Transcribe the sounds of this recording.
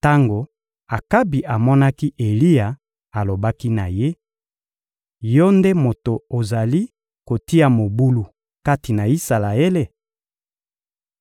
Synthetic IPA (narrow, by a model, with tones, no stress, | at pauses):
ta˦ŋɡo˨ | a˨ka˦bi˨ʔa˨mɔ˦na˦ki˦ʔe˨li˦ja˨ | a˨lo˨ba˦ki˦na˨je˦ | jɔ˦nde˦mo˨to˨o˨za˨li˦ | ko˨ti˦a˨mo˨bu˦lu˨ | ka˦ti˨na˨i˦sa˨la˨e˦le˨